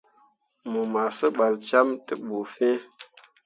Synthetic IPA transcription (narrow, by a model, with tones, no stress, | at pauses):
mu˨ma˨sə˦ɓa˨lt͡ʃa˦mtɨ˦ɓu˨fẽ˦